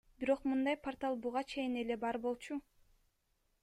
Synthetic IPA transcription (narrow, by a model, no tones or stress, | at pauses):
biɾo̞qmɯnd̪ɑjpʰort̪alˠbuʁɑt͡ʃʰe̞jine̞le̞bɑɾbo̞lˠt͡ʃu